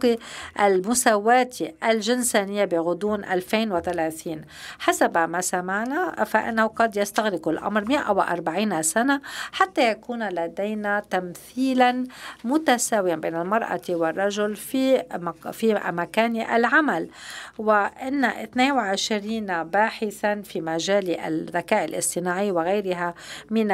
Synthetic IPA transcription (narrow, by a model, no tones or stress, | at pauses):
ʔalmʊsawaːt̪ʰiʔalʒɪnsaːnɪjːabiɣʊd̪uːnʔalfeːnwɪt̪alaθiːn | ħasabmasamaʕnafaʔɪ̰nːahuqɑd̪jast̪aɣɾɪqʊlʔa̰mɾˤmɪʔa̰wʔɑ̰ɾˤbaʕiːnasanaħat̪ːajakuːnlad̪ejnat̪amθiːlanmʊt̪asaːwɪjanbeːnɪlmɑɾˤʔa̰t̪wɪrˤːɑʒʊlfi | fimakaːnʔa̰lʕamalwɪʔɪnːaʔɪθneːnwɪʕɪʃɾiːnbaːħɪθanfimaʒaːliʔa̰ðakaːʕalʔɪ̰sˤt̪ˤɪnaːʕɪjwɪɣajɾɪɦamɪn